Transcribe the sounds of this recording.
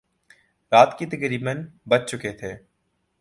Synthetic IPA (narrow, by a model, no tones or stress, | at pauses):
ɾaːt̪ket̪əkɾiːbənbɐt͡ʃt͡ʃʊket̪ʰeː